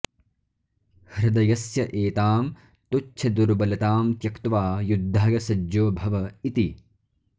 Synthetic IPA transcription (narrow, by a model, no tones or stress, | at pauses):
hɾɐd̪ɐjɐsjɐʔeːt̪aːm | t̪utːʃʰɐd̪uɾbɐlɐt̪aːmt̪jɐkt̪ʋaːjud̪ʱːaːɡɐsɐd͡ʒoːbʱɐʋɐit̪i